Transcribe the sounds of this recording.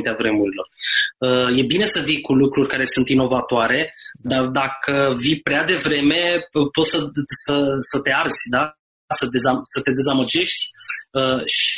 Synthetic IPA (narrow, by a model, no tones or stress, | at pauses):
t̪eavɾe̞muɾilo̞rəje̞bine̞səvikulukɾurʲkaɾe̞sunt̪ino̞vat̪oaɾe̞d̪ard̪akʰəvipɾead̪e̞vɾe̞me̞po̞t̪səsəsət̪e̞arz̥ʲd̪a | səd̪e̞zasət̪e̞d̪e̞zaməd͡ʒe̞ʃt̪ʲəʃ